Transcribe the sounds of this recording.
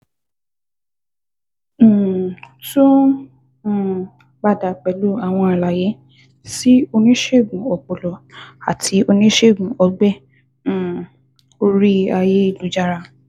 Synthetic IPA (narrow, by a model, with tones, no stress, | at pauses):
tũ˦˨ | ba˦˨da˨k͡pɛ˨lu˦a˨w̃ɔ̃˧a˨la˨je˨˦ | si˦o˧nĩ˦ʃe˦˨ɡũ˨ɔ˨k͡pɔ˨lɔ˨a̰˨tʰi˨˦o˧nĩ˦ʃe˦˨ɡũ˨ɔ˧ɡ͡bɛ̃˦˨ | o˧ɾi˦a˧je˦i˦˨lu˨˦d͡ʒa˦˨ɾa˧